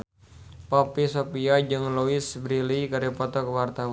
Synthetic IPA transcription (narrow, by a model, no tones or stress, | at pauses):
papisopiad͡ʒɨŋloisbɾilikaɾapɔt̪ɔkəwart̪aw